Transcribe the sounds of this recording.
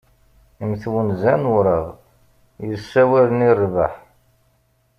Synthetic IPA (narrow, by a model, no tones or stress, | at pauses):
imθwənzænɾəʁ | jəsːæwælənirˤːva̰ħ